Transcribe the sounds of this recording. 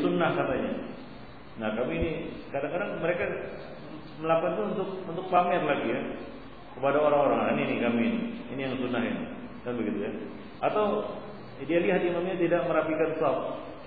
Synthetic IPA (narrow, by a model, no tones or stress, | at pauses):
sunːahkat̪aɲa | nahkamiːnikadaŋkadaŋməɾeka | məlakant̪uunt̪ʊk̚unt̪ʊk̚pamɛrlaɡija | kəpadaoɾaŋoɾaŋaninikaminiinijaŋsunaɦɪ̰n̰kanbəɡit̪uja | ʔat̪aw | dialiɦat̪̚imamɲat̪idaʔməɾapikansaf̚